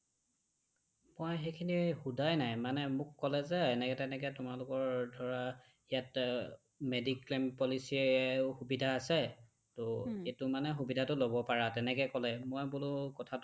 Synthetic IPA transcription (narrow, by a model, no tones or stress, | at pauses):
mojxekʰinixudajnajmanɛmʊkːɔlɛzɛːnɛkɛtɛnɛkɛtʊmalʊkɔɹdʱɔɹa | ijat | mediklempɔlisiɛxubidʱaːsɛ | tʊetʊmanɛxubidʱatʊlobɔpaɹatɛnɛkɛkɔlɛmojbulʊkɔtʰat